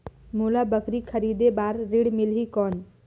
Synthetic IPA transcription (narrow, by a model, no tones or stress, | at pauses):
mulabəkɾikʰəɾid̪ebaɾːiɽmilɦikɔn